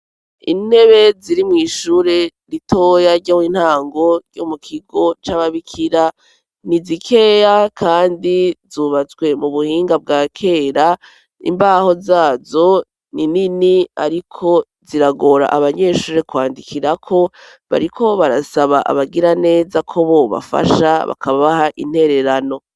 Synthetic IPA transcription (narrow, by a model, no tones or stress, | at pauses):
ḭne̞βe̞ziɾimŋiːʃuːɾe̞ɾitʰoːjaɾɟomin̥haːŋɡo̞ɾɟomukʰiɡo̞t͡ʃaβaβikʰiɾa | nizikʰe̞ːjakʰaːndizuβat͡sɡwe̞muβuhiːŋɡab̚ɡaːkʰe̞ːɾa | ḭmbaːho̞zaːzo̞ | nininiaɾikʰo̞ | ziɾaɡo̞ːɾa̰ʔaβaɲe̞ʃuːɾe̞kwaːndikʰiɾakʰo̞ | βa̰ɾikʰo̞βaɾasaβaʔa̰βaɡiɾane̞ːzakʰo̞βo̞βa̰fa̰ʃaβa̰kʰaβaβahaʔḭn̥he̞ɾe̞ɾano̞